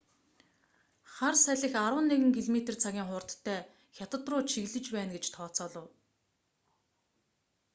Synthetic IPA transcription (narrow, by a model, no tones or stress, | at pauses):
χarsæɮʲɪ̆xaɾwə̆nːeɣɘ̆ŋkʰiɮmet̪ĕrt͡sʰaɣʲiːŋχʊːr̥t̪ʰːæː | xʲjat̪ə̆t̪rʊːt͡ɕʰiɣɮɘ̆t͡ɕpæːnɡet͡ɕt̪ʰɔːt͡sɔːɮə̆w